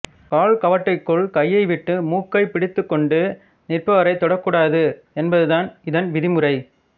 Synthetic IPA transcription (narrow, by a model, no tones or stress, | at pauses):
kaːɭkɐʋɐʈːɐɪkːɯɭkɐjːɐɪʋɪʈːɯmuːkːɐɪpɪɽɪt̪ːɯkːɔɳɖɯ | nɪrpɐʋɐɾɐɪt̪ːɔɽɐkːuːɽaːðɯ | ɛnbɐðɯðaːnɪðɐnʋɪðɪmɯɾɐɪ